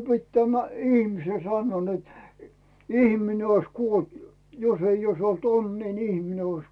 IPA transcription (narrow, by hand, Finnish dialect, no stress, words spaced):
se pit tæmæ ihmisen sɑnːŭoː net ihmine ois kuolt jo josei ois olt onːiː ni ihmine ois